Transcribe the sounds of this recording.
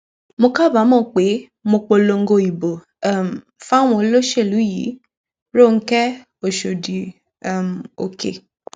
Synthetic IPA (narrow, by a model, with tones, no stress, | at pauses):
mo˧ka˦˨ba˨˦mɔ̃ː˦˨k͡pe˨˦ | mo˧k͡po˧lo˧ŋ̩˦ɡo˧i˨bo˨˦˨ | m̩˨fa˦˨w̃ɔ̃˧o˧lo˦ʃe˦˨lu˨˦jḭ˨˦ | ɾo˦˨ŋ̩˦kɛ˦ | o˨ʃo˨di˨˦˨ | m˨o˨kʰḛ˨